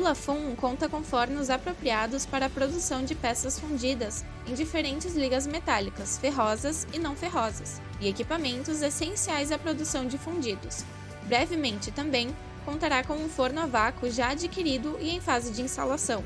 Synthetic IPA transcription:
ulafũkõnt̪ɐkõw̃foɾnʊzapɾopɾiad̪ʊspaɾɐːpɾod̪usɐ̃w̃d͡ʒɪpɛsɐsfũnd͡ʒid̪ɐs | ẽj̃d͡ʒifeɾẽnt͡ʃɪzliɡɐzmet̪alikɐsfeɦɔzɐzɪnɐ̃w̃feɦɔzɐs | ɪekipamẽnt̪ʊzesẽsiajzɐpɾod̪usɐ̃w̃d͡ʒɪfũd͡ʒid̪ʊs | bɾɛvɪmẽnt͡ʃɪt̪ɐ̃mbẽj̃ | kõnt̪aɾakõũfoɾnʊavakʊʒaːd͡ʒikiɾid̪ʊɪẽj̃fazɪd͡ʒɪĩst̪alasɐ̃w̃

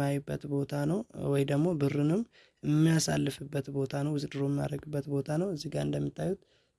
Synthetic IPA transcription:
ajubːə̰t̪bo̞t̪ʰanəwwɔjd̪əɡmo̞bɨɾɨnɨm | ɪmːijasa̰lːɨfɨbːət̪bo̞t̪ʰanəwɨzd̪ɨɾoɛmːija̰ɾəɡɨbːət̪bo̞t̪ʰanəwɨzːiɡaɨ̰nd̪əmːit̪ʰːajut̪

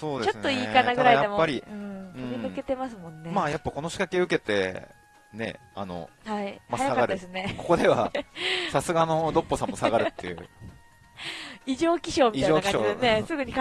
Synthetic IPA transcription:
so̞ːd̪eo̞stnːo̞iːkanaɡɯ̟ɾaijad̪e̞moːaɾʲiɯ̟̃ɴsɯõmʲimɯ̟ke̞t̪e̞masɨmõ̞nːe̞maːjapːako̞no̞ɕi̥kakeɯ̟ke̞t̪e̞̰ | ne̞̰a̰no̞̰haimaaaaɡkaaɾɯd̪esɨne̞ko̞ko̞d̪e̞βa̰sasɨɡano̞d̪o̞pːo̞sãmmosaɡaɾɯ̟t̪ːejɯ̟̰ | iʑo̞ːkʲiɕo̞ːmʲiiaoːakãoiene̞sɨɡɯ̟ɲ̟ik

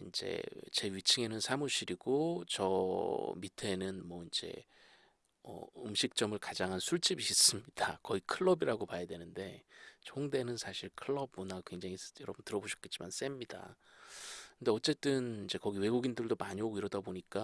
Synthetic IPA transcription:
ind͡ʑḛt͡ɕe̞ɥit͡ɕʰiŋe̞nɯnsʰamuɕʰiɾiɡot͡ɕʌmitʰe̞nɯnmwʌind͡ʑe̞̰ | ʌ̰ɯmɕʰik̚t͡ɕ͈ʌmɯɭkad͡ʑaŋɦansʰuɭt͡ɕ͈ibiɕʰis͈ɯmɲid̥akʌikʰɯɭːʌbiɾaɡopajadwe̞nɯnde̞t͡ɕʰoŋde̞nɯnsʰaɕʰiɭkʰɯɭːʌb̚monakweŋd͡ʑaŋijʌɾʌbʌntɯɾʌboɕʰi̥k͈et͡ɕ͈imans͈e̞mɲida̰ | kʰɯnde̞ʌt͡ɕ͈e̞t͈ɯnind͡ʑe̞kʌɡiwe̞ɡuɡindɯɭdomaɲiɦoɡoiɾʌdaboɲik͈a

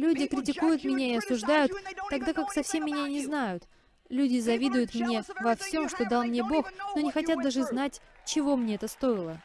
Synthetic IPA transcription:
lʲudʲɪkɾʲɪtʲɪkujʊt̪mʲɪnʲaɪɐsʊʐd̪ajʊt̪ːɐɡd̪akaksɐfsʲe̞mːʲɪnʲanʲɪznajʊt̪ | lʲʉdʲɪzɐvʲid̪ʊjʊt̪mnʲe̞vɐfsʲo̞mʂt̪o̞d̪alˠmnʲebo̞xno̞nʲɪxɐtʲat̪̚d̪aʐɨznatʲ | t͡ɕɪvo̞mnʲeɛt̪əst̪o̞ɪlˠə

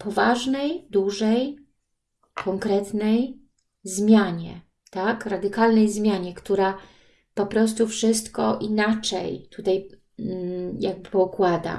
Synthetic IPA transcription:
pɔvaʐnɛjd̪uʐɛj | kʰɔŋkɾɛt̪nɛj | zmʲjaɲɛ̰ | t̪akɾad̪ɘkalnɛjzmʲjaɲɛkt̪uɾa | pɔpɾɔs̬t̪ufʂɘst̪kɔʔinat͡ʂɛ̰jt̪ut̪aj | jaɡ̚bɘɔkwad̪a̰

